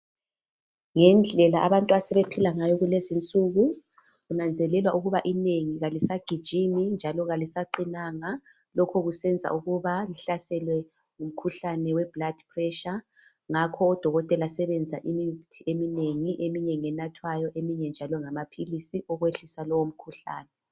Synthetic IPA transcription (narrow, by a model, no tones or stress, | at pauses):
ŋɛnd͡ɮʱɛlaʔaβantʼuasɛβepʰilaŋajɔɣulezint͡sʼuɣu | ɣunand͡zʱɛlɛlwaʔuɣuβaʔineŋiɣalisaɡ̥ʱid̥ʒ̥ʱimind͡ʒʱalɔɣalisaǃinaŋa | lɔkʰɔɣusɛnd͡zʱa̰ʔuɣuβaliɬasɛlwɛ | ŋum̩kʰuɬanɛwɛb̥ladpʰrɛʃa | ŋakʰɔːd̥ʱɔɣɔtʼɛlasɛβɛnd͡zʱaʔimitʰiʔemineŋiʔemiɲeŋiɛnatʰwajɔʔemiɲɛnd͡ʒʱalɔŋamapʰilisiʔɔɣweɬisalɔwom̩kʰuɬa̰ːnɛ